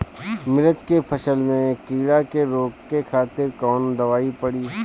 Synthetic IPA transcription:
mɪɾət͡ʃkepʰɐʃəlmẽkiːɽakeɾoːkːekʰaːt̪ɪɾkɔːnd̪ɐʋaːipəɽiː

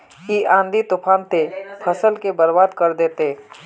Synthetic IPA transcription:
kiʔãːnd̪it̪ʊpʰaːnt̪epʰəsəlkebəɾbaːd̪kəɾd̪eːt̪eː

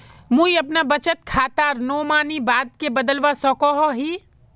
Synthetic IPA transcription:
mũiɐpnabɐt͡ʃət̪̚kʰaːt̪aːɾnoːmaːnibaːd̪̚kebɐd̪əlʋasɔːkɔɦɔɦiː

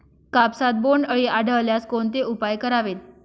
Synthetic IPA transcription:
kapsat̪̚boɳɖəɭiʔaɽʱəʋljaskoɳt̪eupajkəɾaʋet̪̚

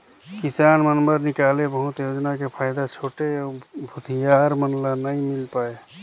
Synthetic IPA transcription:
kisanmənbəɾnikalebəɦũt̪jod͡ʒnakepʰajd̪at͡ʃʰoːʈebʱut̪ʰijaɾmənlanəj̃milpae

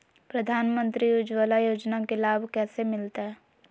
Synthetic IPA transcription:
pɾɐd̪ʱaːnmə̃nt̪ɾijʊd͡ʒʋalajoːd͡ʒnakelaːbʱkɛːsemɪlt̪aɦɛː

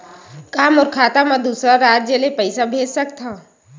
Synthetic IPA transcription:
kaːmɔːɾkʰaːt̪amãd̪uːsɾaɾaːd͡ʒd͡ʒeːlepəɪsabʱeːd͡ʒsɐkt̪ʰaː

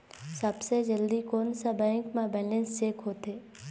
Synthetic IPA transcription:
səbsed͡ʒəld̪ikoːnsabɛ̃ːŋkmãbɛːlə̃nst͡ʃeːkɦoːt̪eː

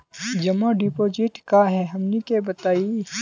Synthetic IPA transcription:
d͡ʒɐmãɖipoːd͡ʒɪʈkaɦɛɦɐmnikebɐt̪aːi

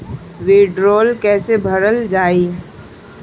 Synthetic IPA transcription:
ʋeːɖɾoːlkɛːsebʱɐɾəld͡ʒaːiː

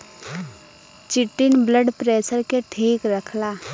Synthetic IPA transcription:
t͡ʃɪʈːɪnbləɖpɾeːsəɾkeʈʰiːkɾəkʰlaː

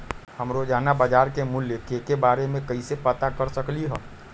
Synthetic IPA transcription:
həmɾod͡ʒaːnabəd͡ʒaːɾkemʊljəkekebaːɾemẽkəisepət̪akəɾsəkliɦɛː

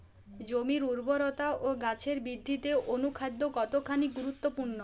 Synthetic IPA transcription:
d͡ʒomiɾuɾbɔɾɔt̪aʔoɡat͡ɕʰeɾbid̪ʱːit̪eʔonukʰad̪ʱːokɔt̪okʰaniɡuɾut̪ːopuɾnɔ

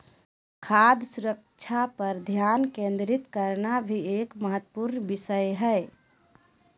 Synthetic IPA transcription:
kʰad̪suɾək̚ | t͡ʃʰapəɾd̪ʱjankẽnd̪ɾit̪kəɾnabʱiekməɦət̪ːpuɾnbisəjɦɛe

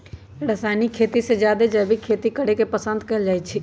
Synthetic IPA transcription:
ɾəsaːnikʰeːt̪ised͡ʒjaːd̪ed͡ʒɛbʱikʰeːt̪ikəɽekepəsə̃nd̪kɐɦɪld͡ʒaːjt͡ʃʰi

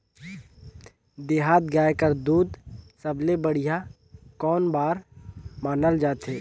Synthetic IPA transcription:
d̪eːɦaːt̪̚ɡaːjkəɾd̪uːd̪səblebəɽ̤ija | kɔːnbaːɾmaːnəld͡ʒaːt̪ɦeː

